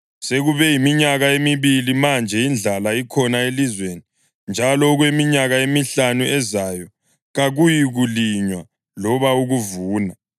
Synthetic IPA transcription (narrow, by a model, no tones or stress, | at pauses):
seɣuβɛjimiɲaɣaemiβilimand͡ʒʱɛind͡ɮʱalaikʰɔnaelizweni | nd͡ʒʱalɔɣwemiɲaɣaemiɬanuɛzaːjɔ | ɣaɣujiɣuliɲwa | lɔβauɣuvuːna